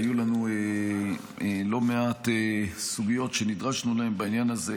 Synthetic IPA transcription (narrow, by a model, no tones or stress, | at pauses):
julanue | elo̞me̞atesuɡijo̞tʃenidʁaʃnulae̞mbainjanaze